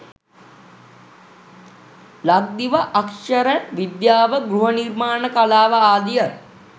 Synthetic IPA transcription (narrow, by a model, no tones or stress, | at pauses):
laɡ̚d̪iʋəʔakʂəɾəɳʋid̪jaːʋəɡɾuɦənirmaːnəkalaːʋəaːd̪ijə